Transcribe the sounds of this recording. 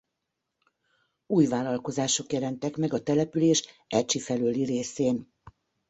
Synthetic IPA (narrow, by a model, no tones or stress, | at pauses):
uːjvaːlɒlko̞zaːʃo̞kjɛlɛnt̪ɛkmɛɡɒt̪ɛlɛpyleːʃ | ɛt͡ʃifɛløːlireːseːn